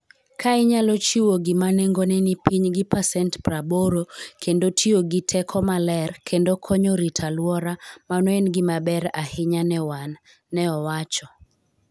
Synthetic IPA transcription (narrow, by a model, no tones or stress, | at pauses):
kaɪɲalɔt͡ʃiwoɡɪmaneŋɡonɛnipiɲɡɪpasɛntpɾaboɾokʰendotʰioɡitʰɛkʰɔmalɛrkʰendokʰɔɲoɾitʰalwɔɾamanɔenɡɪmabɛɾahɪɲanɛwanː | ɛɔwat͡ʃɔ